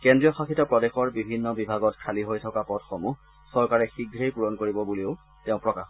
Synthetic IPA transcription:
kɛndɹijɔxakitɔpɹɔdɛxɔɹbibʱinːɔbibʱaɡɔtkʰaliɦojtʰɔkapɔdxomu | sɔɹkaɹɛxiɡʱɹejpuɹɔnkoɹibɔbuliʊ | tɛʊ̃pɹɔka̰x

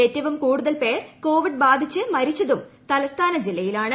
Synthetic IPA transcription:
etːɐʋɐmkuːɽuðɐlpe̞ːrko̞ːʋiɖ̚baːd̪ʱit͡ɕːɨmɐɾit͡ɕːɐðumt̪ɐlɐst̪ʰaːnɐd͡ʑilːɐjilaːɳɨ

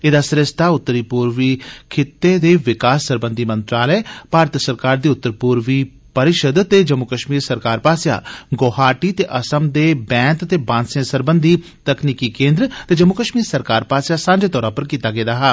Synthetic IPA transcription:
eːd̪aːsɾɪst̪ʰaːʊt̪ːəɾiːpuːɾʋiːkʰɪt̪ːeːd̪eːʋɪkaːsːəɾbənd̪ʱiːmə̃nt̪ɾaːlɛːpaːɾət̪səɾkaːɾd̪iːʊt̪ːəɾpuːɾʋiː | pəɾɪʃəd̪t̪eːd͡ʒəmːʊkəʃmiːɾsəɾkaːɾpaːsja̰ːɡoːhaːʈiːt̪eːʔəsəmd̪eːbɛ̃ːnt̪t̪eːbãːnsẽsəɾbənd̪ʱiː | t̪əkniːkiːkẽːnd̪ɾt̪eːd͡ʒəmːʊkəʃmiːɾsəɾkaːɾpaːsjaːsãːnd͡ʒeːt̪ɔːɾãːpəɾkiːt̪aːɡeːd̪aːɦaː

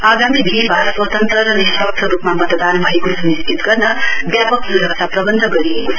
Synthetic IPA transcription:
aɡamid̪ʱiibʱaɾʌswʌt̪ʌnt̪rʌɾʌnisʌkt̪ʰʌɾupmamʌt̪d̪anbʱʌekosuniskit̪ɡʌrnʌbjapʌksuɾʌksaprʌbʌnd̪ʱʌɡʌɾijekot͡sʰʌ

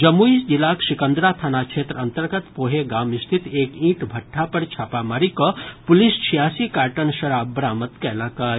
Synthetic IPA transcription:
d͡ʒəmːuisd͡ʒilaksikənd̪ɾat̪ʰanakt͡ʃʰet̪ɾənt̪əɾɡət̪poɦeɡamist̪ʰit̪ekĩʈbʱəʈʰːapəɾt͡ʃʰapamaɾikɔpulist͡ʃʰijasikaʈənʃəɾabbəɾamət̪kɛlaka

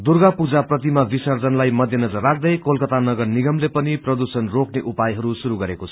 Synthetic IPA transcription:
d̪urɡapud͡zaprʌt̪imabisʌrd͡zʌnlajmʌd̪ʱjʌnʌd͡zʌrːak̚ʰd̪ʌjkolkʌt̪anʌɡʌrniɡʌmlepʌniprʌd̪usʌnrokneʔupajɦʌɾusuɾuɡʌɾekot͡sʰʌ̥

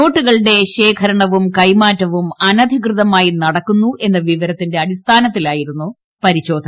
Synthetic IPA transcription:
no̞ːʈːuɣɐɭɽe̞ɕe̞ːkʰɐɾɐɳɐʋumkɐjmaːtːɐʋumɐnɐd̪ʱikrɨðɐmaːjinɐɽɐkːunːuʔe̞nːɐʋiʋɐɾɐt̪ːinde̞ɐɽist̪ʰaːnɐt̪ːilaːjiɾunːu | pɐɾiɕo̞ːd̪ʱɐn

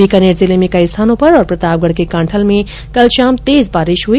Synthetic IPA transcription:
ikɐneːʈzɪlemẽkɐist̪ʰaːnõpɐɾɔːɾpɾɐt̪aːʋ̚ɡəɽkekãːɳʈʰəlmẽ | kɐlʃaːmt̪eːzbaːɾɪʃɦuiː

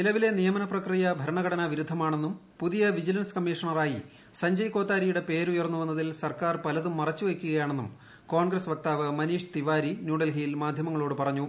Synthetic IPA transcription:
nilɐʋile̞nijɐmɐnɐprɐkrijɐbʱɐɾɐɳɐɣɐɽɐnɐʋiɾud̪ʱːɐmaːɳe̞nːumpuðijɐʋid͡ʑilɐnskɐmːiːʂɐɳɐraːji | sɐɲd͡ʑɐjko̞ːt̪ːaːɾijuɽe̞pe̞ːɾujɐrnːuʋɐnːɐðilsɐrkaːrpɐlɐðumːɐrɐt͡ɕːuʋekʲːuɣɐjaːɳe̞nːum | koːɳɡrɐsʋɐk̚t̪aːʋɨmɐniːʂt̪iʋaːɾinjuːɽɐlɦiːlmaːd̪ʱjɐmɐŋːɐɭoːɽɨpɐrɐɲːu

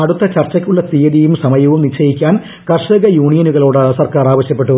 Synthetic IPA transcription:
ɐɽut̪ːɐt͡ɕɐrt͡ɕːɐkʲːuɭːɐt̪ijɐðijumsɐmɐjɐʋumnit͡ɕːɐjikʲːaːn | kɐrʂɐɡɐjuːɳijɐnuɣɐɭoːɽɨsɐrkaːɾraːʋɐɕjɐpːe̞ʈːu

